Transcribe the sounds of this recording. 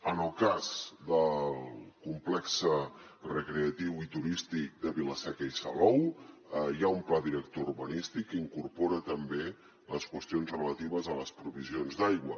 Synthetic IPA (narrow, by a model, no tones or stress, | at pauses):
ənəlˠkazd̪əlˠkumplɛksərəkɾeət̪iwit̪uɾist̪ik̚d̪əβiləsɛkəisəlɔw | jaumplaðiɾək̚t̪ourβənist̪ikːiŋkurpoɾət̪əmbe | ləskwəst̪ionzrələt̪iβəzələspɾuβizionzd̪ajɣwə